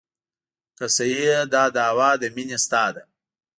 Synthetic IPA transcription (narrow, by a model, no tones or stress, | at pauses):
kɐsɐjed̪ɑːd̪ɑːwɑːd̪əminest̪ɑd̪a